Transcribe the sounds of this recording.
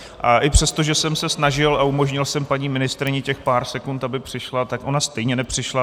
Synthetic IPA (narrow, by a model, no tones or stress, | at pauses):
ʔaʔɪpr̝̥ɛst̪o̞ʒɛsɛmsɛsnaʒɪlaumo̞ʒɲɪlsɛmpaɲiːmɪnɪst̪ɾɪɲɪcɛxpaːɾsɛkunt̪abɪpr̥ɪʃlat̪akʔo̞nast̪ɛjɲɛnɛpr̝̥ɪʃla